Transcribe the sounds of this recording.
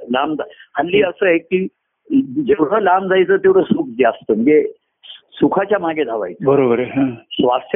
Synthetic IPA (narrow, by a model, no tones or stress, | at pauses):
lamd͡zahəlːiːəsəːekiː | d͡zeʋɽ̤əːlamd͡zʱajt͡səːt̪eʋɽ̤əsuk̚ʰd͡zast̪əməɡe | sukʰat͡ɕjamaɡʱed̪ʱaʋa̰jt͡sbəɾobəɾeɦãsʋast̪ʰ